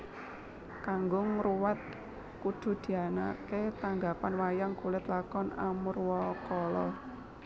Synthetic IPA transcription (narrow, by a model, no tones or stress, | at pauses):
kaŋɡʊŋruwat̪̚ | kud̪̥ṳd̪̥i̤ana̰ket̪aŋɡapanwajaŋkulɪt̪lakɔnamurwɔkɔlɔ